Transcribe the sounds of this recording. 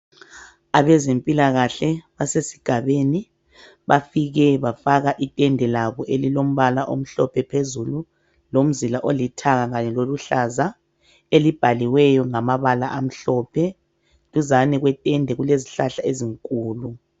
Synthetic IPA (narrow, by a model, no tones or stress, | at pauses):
aβɛzempʼilaɣaɬɛβasesi̥ɡ̥ʱaβeni | βafiɣɛβafaɣaʔitʼɛndʱɛlaβɔʔelilom̩βalaʔo̰m̩ɬɔpʰɛpʰezulu | lom̩zilaʔolitʰaɣaɣaɲɛloluɬaza | elib̥ʱaliwɛjɔŋamaβalaʔam̩ɬɔpʰɛ | luzanɛɣwɛtʼɛndʱɛɣuleziɬaɬaeziŋkʼuːlu